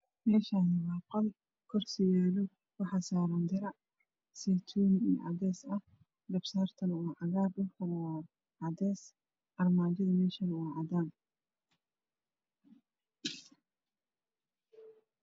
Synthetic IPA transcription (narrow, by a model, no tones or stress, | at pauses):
mɛːʃanɪwɑːqɐl | kʰɔrsɪjaːlɔ | wɑħɑsaːɾɐnd̪ɪɾɐ | sɛt̪ʰunḭːʕɑ̰d̪ɛːsɐh | ɡɐbsaːrt̪ʰɐnuːʕɑɣaːbdʊlkʰɐnɔː | ʕɑd̪ɛːs | ʔɐrmaːd͡ʒɪðɐmɛːʃɐnuːʕɑd̪aːn